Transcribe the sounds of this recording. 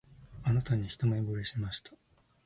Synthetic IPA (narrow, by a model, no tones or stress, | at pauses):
anat̪aɲ̟içi̥t̪omabɯɾeɕimaɕi̥t̪ʰḁ